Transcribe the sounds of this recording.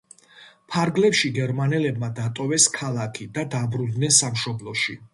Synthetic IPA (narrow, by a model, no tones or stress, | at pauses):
pʰaɾɡlɛpʃiɡɛɾmanɛlɛbmad̪at̪ʼɔvɛskʰalˠakʰid̪ad̪abɾund̪nɛnsamʃɔblˠɔʃi